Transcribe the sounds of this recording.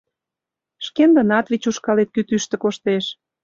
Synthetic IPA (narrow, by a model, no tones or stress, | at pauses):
ʃkend̪ə̆nɑt̪vit͡ɕuʃkɑlet̪̚kyt̪yʃt̪ə̆koʃt̪eʃ